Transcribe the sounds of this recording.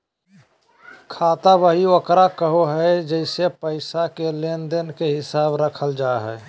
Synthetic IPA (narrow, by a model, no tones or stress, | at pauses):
kʰaːt̪aʋəɦiokɾakəɦoɦɛed͡ʒəɪsepəɪsakelend̪ənkeɦɪsaːbɾəkʰəld͡ʒaɦɛ